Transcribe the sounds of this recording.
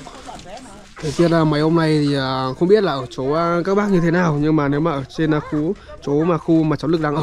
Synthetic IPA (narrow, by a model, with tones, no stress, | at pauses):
t̪ʰe˨˦t͡ɕi˦˥ət̚laː˨˩ma˨˦jho˧ŋ͡mna˨˩jt̪ʰi˨˩ʔə˨˩xə˧ŋ͡mɓi˦˥ət̚laː˨˩ʔəː˧˩t͡ɕo˨˦ʔkaː˦˥k̚ɓaː˦˥k̚ɲɨ˧e˨˦naː˨˩wɲɨ˧ŋmaː˨˩ne˨˦wmaː˨˩ʔəː˧˩t͡ɕe˧nʔxu˨˦t͡ɕo˨˦maː˨˩xu˧maː˨˩t͡ɕo˨˦lɨ˨˩k̚ɗaː˧ʔəː˧˩